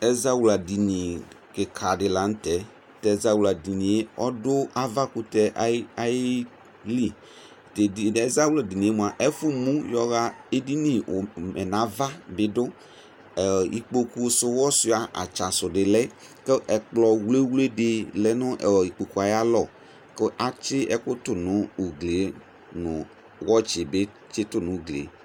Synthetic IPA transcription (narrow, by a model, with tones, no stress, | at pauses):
ɛ˦za˦wu˨la˨di˨nĩ˨ | kɪ˨kʰa˨dɪ˨la˨˦n̩˦tɛ˨ | tɛ˨za˦wu˨la˨di˨nĩ˨e˦ɔ˦dʊ˦a˦va˦kʊ˨tɛ˨ʔa˦a˨˦jɪ˦ | li˦˨ | te˨ɛ˦za˦wu˦la˨di˨nĩ˨e˦mu˨a˨ʔɛ˦fu˦mũ˦jɔ˦ɣa˦e˦di˦nĩ˨mɛ˨na˨˦va˦bɪ˨dʊ˦˨ | ḭ˨k͡po˨ku˦˨sʊ˨wɔ˦sɪ˦˨a˨ʔa̰˨t͡ʃa˨sʊ˨dɪ˨lɛ˦ | ke˦ʔɛ˨k͡plɔ˨wle˦wle˦dɪ˨lɛ˦nʊ̃˦ʔɛ˨i˨k͡po˨ku˨a˨ja˦lɔ˨ | kɪ˦ʔa˦t͡ʃɪ˦ʔɛ˦kʊ˦tʊ˨nʊ̃˨˦u˨ɡle˨˦ | nʊ̃˨ | wɔ˦t͡ʃɪ˨be˦ | t͡ʃɪ˦tʊ˨nʊ̃˨˦ɡlḛ˨˦